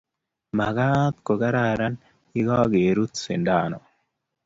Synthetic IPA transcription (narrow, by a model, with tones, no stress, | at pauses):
mɐ˨ɡaː˦t̪kɔ˨ɡɐ˦ɾaː˨ɾɐ˦n | i˦ɡaː˦ɡeː˨ɾu˦t̪sɪ˨ndaː˨nɔ˨